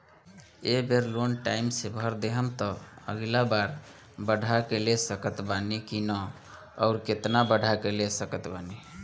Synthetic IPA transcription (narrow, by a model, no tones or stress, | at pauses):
ebʱeɾlonʈaimsebʱəɾd̪eɦəmt̪ɔə̰ɡlabaɾ | bəɖ̤ʱakelesəkət̪banikinəː | ʊɾket̪nabəɽ̤ʱakelesəkət̪bani